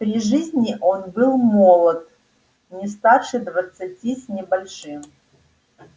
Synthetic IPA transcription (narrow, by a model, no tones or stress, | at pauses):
pɾʲiʐɨzʲnʲiʔonbɨlˠmolˠət̪̚ | nʲɪst̪arʂɨd̪vət̪sɨtʲisʲnʲɪbɐlʲʂɨm